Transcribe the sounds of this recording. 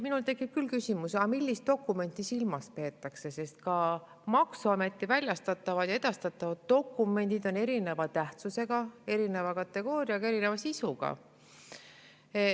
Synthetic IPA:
minult̪e̞kːˑip̚kylkysimusɑmilʲːist̪̚d̪̥o̞kːˑume̞nt̪ːˑisilmɑspe̞ːt̪ːˑɑkse̞se̞st̪kɑ | mɑksuɑme̞t̪ˑːivælʲjɑst̪ɑt̪ːˑɑvɑd̪̥jɑe̞d̪̥ɑst̪ɑt̪ːˑɑvɑd̪̥̚d̪o̞kːˑume̞nʲd̪̥id̪o̞ne̞ɾine̞vɑt̪æht̪suse̞ɡ̥ɑe̞ɾine̞vɑkɑt̪ːe̞ɡ̥o̞ːɾiɑɡ̥ɑe̞ɾinevɑsisuɡ̥ɑ̰

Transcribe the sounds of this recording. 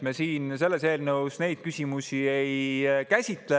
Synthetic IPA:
mesiːnse̞lːe̞se̞ːlnɤusne̞jd̪̥̚kysʲimusʲiejkæsʲit̪le

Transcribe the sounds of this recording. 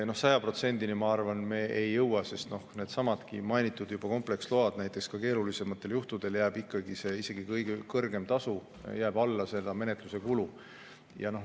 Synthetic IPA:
no̞hsɑjɑpro̞t̪se̞nd̪̥inimɑɑrvɑnme̞ːejːɤwɑse̞st̪no̞hne̞ːd̪̥sɑmɑt̪kḭmɑjnit̪ːˑud̪jub̥ɑko̞mple̞kslo̞ɑd̪̥næjt̪ːˑe̞kskɑke̞ːɾulise̞mɑt̪ːˑe̞ljuht̪ud̪̥e̞ljæːb̥ikːɑɡise̞ːise̞ɡ̥ikɤjɡ̥ekɤrɡ̥e̞mt̪ɑsu | jæːb̥ɑlːɑse̞lːɑme̞ne̞t̪luse̞kulu | jɑ̰no̞h

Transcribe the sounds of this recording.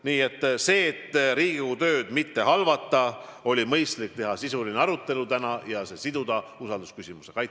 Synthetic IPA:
niːe̞t̪ːˑse̞ːt̪ːɾiːɡiut̪ø̞ːd̪̥mit̪ːe̞hɑlvɑt̪ːˑɑo̞lʲimɤjst̪lik̚t̪e̞ɦɑsisulineɑɾut̪ːˑe̞lut̪ænɑjɑse̞sid̪ud̪̥ɑusɑld̪uskysimuse̞kɑjt̪

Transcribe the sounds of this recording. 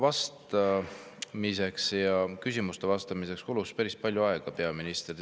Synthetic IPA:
vɑst̪ɑ | mise̞ksjɑkysʲimust̪e̞vɑst̪ɑmisekskuluspæɾispɑlʲjuɑe̞ɡ̥ɑpe̞ɑminist̪ri

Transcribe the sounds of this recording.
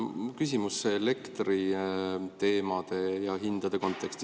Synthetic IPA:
kysʲimusːeːle̞kt̪ri | t̪e̞ːmɑd̪̥e̞jɑɦind̪̥ɑd̪̥e̞ko̞nt̪ːˑe̞kst̪i̥

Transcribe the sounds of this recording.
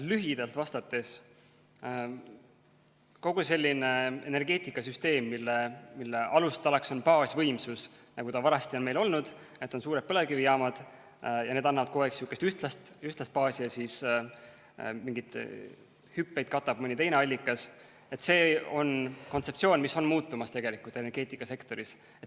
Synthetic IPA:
lyɦid̪̥ɑlt̪vɑst̪ɑt̪ːˑe̞s | ko̞ɡ̥use̞lʲːine̞e̞̰ne̞rɡ̥e̞ːt̪ˑikːˑɑsyst̪e̞ːmːilːemilːeʔɑlust̪ɑlekso̞npɑːsvɤ̞jmsus | nɑɡ̥ut̪ɑvɑɾɑst̪io̞nme̞lo̞lnud̪̥ | e̞t̪ːˑo̞nsuːɾe̞d̪̚pɤlekivijɑːmɑd̪̥ | jɑne̞ːd̪ɑnːɑvɑd̪̚ko̞eksjuːkːˑest̪yht̪lɑst̪yht̪lɑst̪̚pɑːsʲiɑsiːs | miŋɡit̪ | hypːejd̪̥̚kɑt̪ːˑɑb̥̚mɯnʲit̪e̞jneɑlʲːikːˑɑs | e̞t̪se̞ːo̞nko̞nt̪se̞p̪̚sio̞ːnmiso̞nmuːt̪ːˑumɑst̪e̞ɡe̞likˑult̪e̞nerɡ̥e̞ːt̪ːˑikːˑɑse̞kt̪o̞ɾis | et̪ː

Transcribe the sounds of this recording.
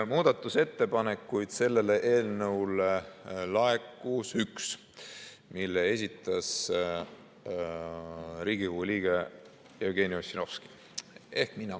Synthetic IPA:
muːd̪̥ɑt̪ːˑuse̞t̪ːe̞pɑne̞kːˑujd̪̥se̞lːe̞leʔe̞ːlnɤwlelɑe̞kːˑusyks | milːee̞sʲit̪ːˑɑs | ɾiːɡ̥ihuliːɡe | jewɡ̥e̞ːniosino̞fski̥ | e̞hkminɑ

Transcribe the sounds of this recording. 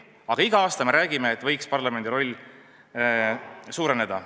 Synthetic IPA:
ɑɡ̥ɑiɡ̥ɑɑːst̪ɑme̞ɾæːɡ̥imeːt̪ːˑvɤjkspɑrlɑme̞nd̪̥ʲiɾo̞lʲː | suːɾene̞d̪̥ɑ

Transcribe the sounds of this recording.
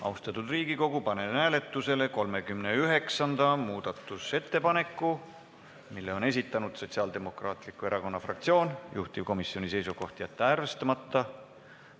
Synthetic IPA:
ɑust̪ɑt̪ud̪riːɡ̥iko̞ɡ̥upɑne̞næːle̞t̪ːˑuse̞le̞ko̞lme̞kymneyɦe̞ksɑnd̪̥ɑmuːd̪̥ɑt̪ːˑuse̞t̪ːe̞pɑne̞kːˑu | milːe̞o̞ne̞s̬ʲit̪ːˑɑnud̪̥so̞t̪siɑːld̪e̞mo̞krɑːt̪ˑlikːˑue̞ɾʔɑko̞nːɑfrɑ̰k̚t̪sio̞ːnjuht̪ivko̞misːio̞nʲise̞jsuɡo̞ht̪jɑt̪ːeærvest̪ɑmɑt̪ːɑ

